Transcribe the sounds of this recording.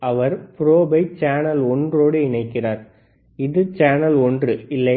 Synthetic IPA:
ɐʋɐɾpɪɾoːbɐɪt͡ʃaːnɐlɔndroːɽɯɪɳɐɪkːɪraːɾ | ɪðɯt͡ʃaːnɐlɔndrɯɪlːɐ

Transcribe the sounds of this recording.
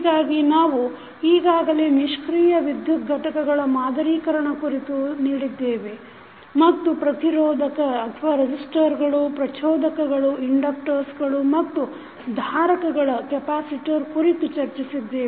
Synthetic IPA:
ɡaːɡinaːʋu | iːɡaːɡɐleːniʂkɾiːjɐʋid̪ʱjut̪̚ɡʱɐʈɐkɐɡɐɭɐmaːd̪ʱɐɾiːkɐɾɐɳɐkuɾit̪uniːɽid̪ːeːʋe̞ | mɐt̪ːupɾɐt̪iɾɔːd̪ʱɐkɐːt̪ʰʋaːɾed͡ʒisʈɐɾɡɐɭupɾɐt͡ʃɔːd̪ʱɐkɐɡɐɭuiɳɖɐk̚ʈɐɾsɡɐɭumɐt̪ːu | d̪ʱaːɾɐkɐɡɐɭɐkɛpaːsiʈiɐɾkuɾit̪ut͡ʃɐɾt͡ʃisid̪ːeː

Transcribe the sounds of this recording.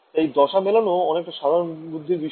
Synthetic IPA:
ejd̪ɔʃamelonoɔnek̚ʈaʃad̪ʱaɾonbud̪ʱːiɾbiʃ

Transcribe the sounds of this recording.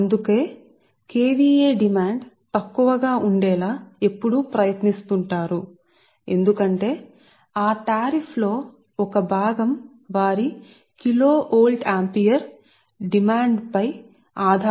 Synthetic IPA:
nd̪uke̞ː | keːʋiːeːɖimaːɳɖ | t̪ɐkːuʋɐɡaːʔuɳɖɛːlaːe̞pːuɽupɾɐjɐt̪nist̪uɳʈaːɾu | e̞̰nd̪ukɐɳʈe̞ː | aːʈaːɾipʰlo̞ː | ɔkɐbʱaːɡɐm | ʋaːɾi | kilo̞ːʔoːlɖaːmpijɐɾ | ɖimaːɳɖpɐj | aːd̪ʱa

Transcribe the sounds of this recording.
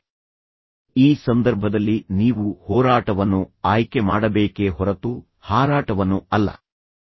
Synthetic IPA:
iːsɐnd̪ɐɾbʱɐd̪ɐlːiniːʋuhɔːɾaːʈɐʋɐnːuaːjkemaːɽɐbeːke̞ɦɔɾɐt̪u | haːɾaːʈɐʋɐnːuɐlːɐ̰

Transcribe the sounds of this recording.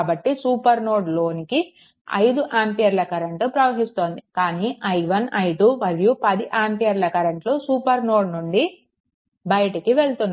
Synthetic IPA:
bɐʈːisuːpɐɾno̞ːɖlo̞ːniki | ɐ̰jd̪uʔaːmpijɐɾlɐkɐɾɐɳʈupɾɐʋɐɦist̪o̞ːnd̪ikaːniːʔɐjʋɐnɐjʈuʋɐljupɐd̪iʔaːmpijɐɾlɐkɐɾɐɳʈloːsuːpɐɾnoːɖnuɳɖi | bɐjʈɐkiʋe̞ɭt̪unː

